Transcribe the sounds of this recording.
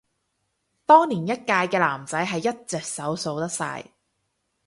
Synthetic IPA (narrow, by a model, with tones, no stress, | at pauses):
t̪ɔː˥ŋniː˨˩njɐ˥t̚kaː˧jkɛː˧laː˨˩mt͡sɐ˨˥jɦɐ˨jːɐ˥t̚t͡sɛ˨k̚sɐ˨˥wso˧wt̪ɐ˥k̚sa̰ː˧j